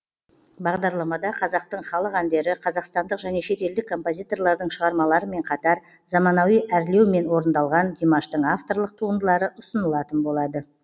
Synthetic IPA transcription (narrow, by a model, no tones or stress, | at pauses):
bɑʁd̪ɑɾlˠɑmɑd̪ɑqʰɑzɑq̚t̪əɴχɑlˠəqænd̪e̞ɾɪqʰɑzɑqst̪ɑnd̪əqʒæne̞ʃe̞t̪e̞ld̪ɪkʰːo̞mpo̞zʲijt̪o̞rlˠɑɾd̪əɴʃəʁɑɾmɑlˠɑɾəme̞ɴqʰɑt̪ɑɾ | zɑmɑnɑwijæɾle̞wme̞nwo̞ɾənd̪ɑlˠʁɑnd̪ʲimaʃt̪əɴaft̪o̞rlˠəq̚t̪ʰuənd̪əlˠɑɾəʔʊsənəlˠɑt̪ənbo̞lˠɑd̪ə